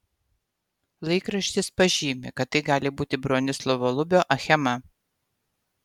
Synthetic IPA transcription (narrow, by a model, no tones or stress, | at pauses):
lˠɐɪkɾɐʃʲt̪ʲɪspɐʒʲiːmʲɪ̰kɐt̪ːɐɪɡɑːlʲɪbuːt̪ʲɪbɾoːnʲɪslˠɔʋoːlˠʊbʲoːʔɐxʲɛmɐ